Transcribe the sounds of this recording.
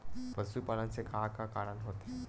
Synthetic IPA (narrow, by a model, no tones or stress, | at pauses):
pəsupalãt͡sekʰakakaɾənɦot̪e